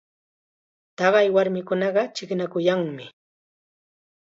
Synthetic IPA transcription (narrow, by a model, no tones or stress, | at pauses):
t̪ɑɢɑjwaɾmɪkʊnɑɢɑt͡ʃɪknakʊjaŋmɪ